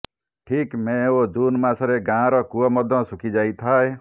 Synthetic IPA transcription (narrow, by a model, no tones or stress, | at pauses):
ʈʰikmẽod͡ʒunmasɔɾeɡãɾɔkuɔmɔd̪ʱɔ̃sukʰid͡ʒajt̪ʰae